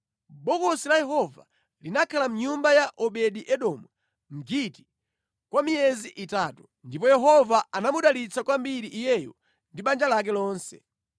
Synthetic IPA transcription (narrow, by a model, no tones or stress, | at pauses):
ɓɔkɔsilajɛɦɔva̰ | linakʰalam̩ɲumbajaʔɔɓɛɗiʔɛɗɔmu | m̩ɡiti̥ | kwamiɛziʔitaːtu | ndipɔjɛɦɔvaanamuɗalit͡sʰakwambiɾiʔːjɛjɔ | ndiɓand͡ʒalak̬ɛlɔːnsɛ